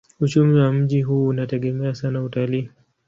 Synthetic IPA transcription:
ut͡ʃumiwam̩ʄiɦuːnatɛɠɛmɛasanautaliː

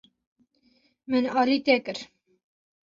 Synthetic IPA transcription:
mənɑliːt̪ekəɾ

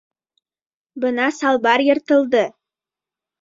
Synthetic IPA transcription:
bɤnɑsɑlˠbɑɾjɤ̆ɾt̪ɤ̆lˠd̪ə

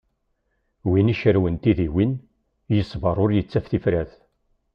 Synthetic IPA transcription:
winiʃəɾwənt̪iðiwin | jəsˤːvɑɾˤʊɾjət͡sːæfθifɾæθ

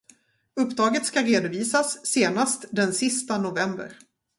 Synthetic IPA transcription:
ɵpːd̪ɾɑːɡət̪skaɾeːd̪ʊviːsasːeːnast̪d̪ɛnsɪst̪anʊvɛmbə̰ɾ

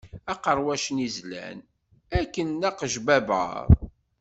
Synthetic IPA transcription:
æqəɾˤwæʃənizlæ̰n | ækːənːæqəʒbæbə̰ɾˤ

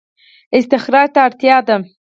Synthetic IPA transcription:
ɪst̪ɪxɾɑːɾt̪aːɾt̪jɑd̪a

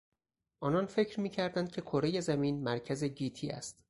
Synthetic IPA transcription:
ʔɒːnɒːnfe̞cʰɾmiːcʰæɾd̪ænd̪̚cʰe̞kʰoɾe̞je̞zæmiːnmæɾcʰæze̞ɟiːt̪ʰiːæ̰st̪

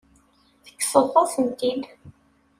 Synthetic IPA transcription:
θə̥kːsəðˤoθənt̪id̪

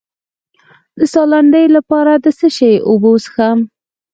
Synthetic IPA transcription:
d̪əsɑlaɳɖəjlapɑɾad̪əsəʃejʔobosəxam

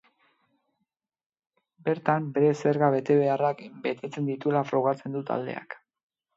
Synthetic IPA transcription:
be̞ɾt̪ambe̞ɾe̞se̞ɾɣaβe̞t̪e̞β̞e̞arakbe̞t̪e̞t͡se̞nd̪it̪ue̞lafɾo̞ɣ̞at͡se̞nd̪ut̪ʰa̰ld̪e̞̰a̰k

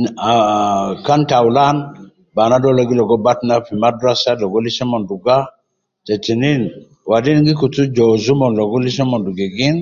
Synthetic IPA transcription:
akantawlan | banadɔloɡilɔɡɔbatnafimadasalɔɡɔlisɛmɔnduɡa | t͡ʃat͡ʃinin | wadinŋɡikutud͡ʒɔzumɔnlɔɡɔlisemɔnduɡɛɡin

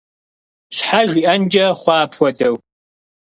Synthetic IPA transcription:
ɕħaʒiːʔɐnd͡ʒɐχʷɑːpʰʷɔdɐw

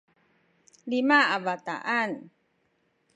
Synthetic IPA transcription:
limaavat̪a̰ʔan

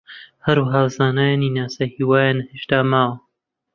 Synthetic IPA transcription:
hɐɾuːɦaːwzaːnaːjaninaːsahiːwaːjaːnheːʃt̪aːmaːw

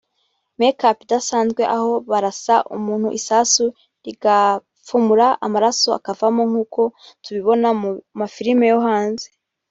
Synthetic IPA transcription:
mekapidasaːnzɡwe̞ʔaho̞βaɾasaʔṵmuːn̥hṵʔisaːsu | ɾiɡa | fumuɾaamaɾaso̞a̰kavamoŋ̥uːko̞tuβiβo̞namafiɾimejoɦaːnze

